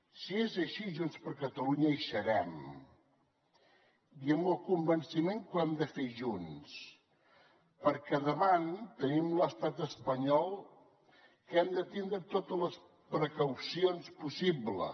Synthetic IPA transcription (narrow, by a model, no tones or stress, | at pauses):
siezəʃiʒunspəɾkət̪əluɲəʃəɾɛm | iəmbəlˠkumbənsimeŋkwɛmd̪əfeʒuns | pəɾkɛðəβant̪ənimləst̪at̪əspəɲɔlˠ | kɛmd̪ət̪ind̪ɾət̪ot̪ələs | pɾəkəwsionspusiblə̰